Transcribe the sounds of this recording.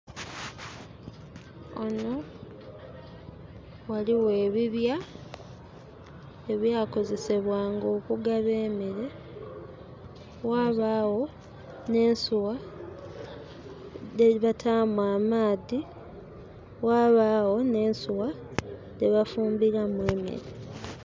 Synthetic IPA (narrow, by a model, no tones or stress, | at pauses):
o̰no̞ | waliwe̞ːβiβja | eβjaːko̞ze̞se̞βwaːŋɡo̞ːkuɡaβeːmiɾe̞ | waːβaːwo̞ | ne̞ːnsuwa | deβatʰamwaːmaːði | waːβaːwo̞ne̞ːnsuwa | ðeβafuːmbiɾamweːmḛɾe